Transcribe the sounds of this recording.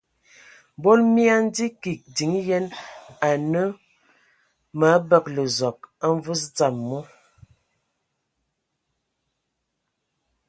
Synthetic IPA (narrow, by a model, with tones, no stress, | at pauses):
bo˦lmja˦n̩˦di˦ki˨k̚di˨ŋ˦jɛ˦na˨nə˦ | ma˨˦bə˦˨k̚lə˨zɔ˨k̚a˦ɱ˦vu˦st͡sa˨mːɔ˦